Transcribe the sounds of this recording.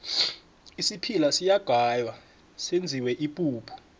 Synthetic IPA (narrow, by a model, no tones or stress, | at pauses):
isipʰilasijaɡ̥ʱajwa | send͡zʱiwɛʔipʼuːpʰu̥